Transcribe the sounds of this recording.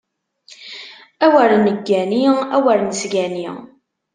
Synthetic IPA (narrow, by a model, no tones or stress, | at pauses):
æwəɾnəɡːæniæwəɾnəsɡæni